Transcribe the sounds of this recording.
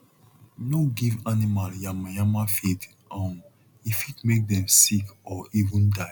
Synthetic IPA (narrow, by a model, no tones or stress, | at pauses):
noɡivanimaljamjãmafet | ʔãn | ifitmek̚dɛ̃msikɔʔivũnda